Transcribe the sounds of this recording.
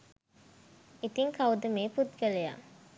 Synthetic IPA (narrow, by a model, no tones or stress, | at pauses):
it̪iŋkɐud̪əmeːpud̪ɡəleja̰ː